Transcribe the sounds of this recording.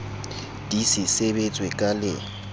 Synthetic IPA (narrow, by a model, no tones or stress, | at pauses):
d̥isɪsebet͡sʼwekʼalɪ̰